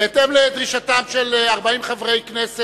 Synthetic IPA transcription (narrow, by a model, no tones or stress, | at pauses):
et̪emled̪ʁiʃatamʃelaʁbaimχavʁejknese